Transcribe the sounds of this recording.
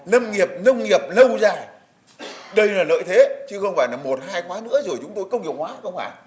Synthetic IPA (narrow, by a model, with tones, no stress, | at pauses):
nə˧wŋ͡mŋi˨˩əp̚nə˧wŋ͡mŋi˨˩əp̚lə˧wzaː˨˩j | ɗə˧jlaː˨˩lə̰ː˧˨jt̪ʰe˨˦t͡ɕɨ˧xə˧wŋ͡mfaː˧˩jlaː˨˩mo˨˩t̚haː˧jxwaː˨˦nɨ̰˧˥əzo˧˩jt͡ɕʊ˨˦ŋ͡mt̪o˧jkə˧wŋ͡mŋi˨˩ək̚hwaː˨˦xə˧wŋ͡mfaː˧˩j